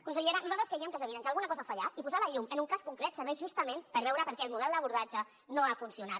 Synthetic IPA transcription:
kunsəʎeɾanuzalˠt̪ɾəskɾeiəmkəlzəβiðənʒalˠɣunəkɔzəfaʎaipuzaləʎumənuŋkaskuŋkɾɛt̪səβɛʒust̪əmẽmpəɾβɛwɾəpəɾkɛːlmuðɛlˠd̪əβuɾð̞ad͡ʒə | noafunsiunat̪

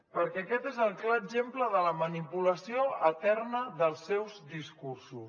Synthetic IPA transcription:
pəɾkɛəkɛt̪ezəlˠklaəzempləðələmənipuləsioət̪ɛrnəðəlˠsːɛwzd̪iskuɾsus

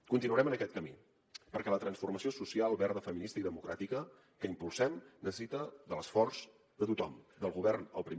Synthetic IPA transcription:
kunt̪inuəɾɛmənəkɛt̪kəmi | pəɾkɛlət̪ɾənsfurməsiosusialˠβɛɾðəfəminist̪əiðəmukɾat̪ikə | kəimpulˠsɛmnəsə̥sit̪əðələsfɔrz̥ | ðət̪ut̪ɔmd̪əlˠɣuβɛrnə̰lˠpɾi

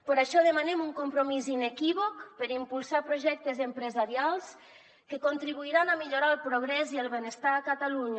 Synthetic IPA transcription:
pəɾaʃɔðəmanemuŋkompɾomizinekiβ̞okpəɾimpulˠsapɾoʒɛk̚t̪ezempɾəzaɾialˠs | kəkont̪ɾiβ̞uiɾanamiʎoɾaəlˠpɾoɣ̞ɾɛziəlˠβenest̪aːkət̪aluɲə

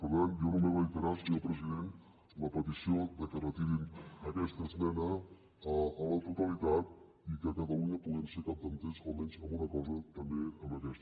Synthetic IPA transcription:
pəɣanjonumeβait̪əɾasiəpɾəziðen | ləpət̪isiod̪əkərət̪iβiməkɛst̪əzmɛnə | əələt̪ut̪əlit̪at̪̚ | ikəkəðəuəpuðɛmsekap̚d̪ənt̪ezalˠmɛnzəmunəkɔzət̪əmbeəmbəkɛst̪

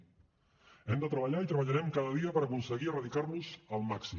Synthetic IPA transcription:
ɛmd̪ət̪ɾəβəʎait̪ɾəβəʎaɾɛmkaðəðiəpəɾəkunsəɣirəðikaɾnuzəlˠmaksi

